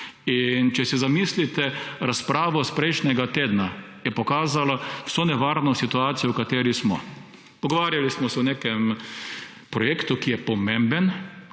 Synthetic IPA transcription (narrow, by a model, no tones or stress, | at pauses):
int͡ʃɛsɛzamislit̪ɛɾaspɾaːʋɔspɾɛjʃnʲɛɡat̪eːd̪na | jɛpɔkaːzalaw̥sonɛʋaːɾnɔsit̪uaːt̪sijɔwkat̪eːɾismɔ̰ | ɔɡɔʋaːɾjalismɔsɛɔneːkɛm | pɾɔjeːkt̪ukijɛpɔmẽmbɛn